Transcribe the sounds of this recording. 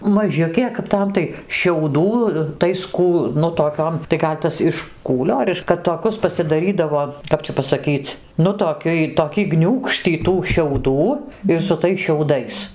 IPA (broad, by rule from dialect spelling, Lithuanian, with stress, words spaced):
mɐˈʒʲʊkʲeː kɐp ˈtɐm tɐɪ ʃʲɛʊˈduː ˈtɐɪs ˈkuː nʊ toːˈkʲoːm tɐɪ ˈɡɐlʲ tɐs ɪʃ ˈkuːlʲoː ɐr ˈɪʃ kɐt toːˈkʲʊs pɐsʲɪdɐˈrʲiːdɐʋoː ˈkɐp t͡ʃʲɛ pɐsɐˈkʲiːt͡s ˈnʊ tuɔˈkʲʊj toːˈkʲɪ ˈɡnʲuːkʃʲtʲiː tuː ʃʲɛʊˈduː ɪr sʊ ˈtɐɪs ʃʲɛʊˈdɐɪs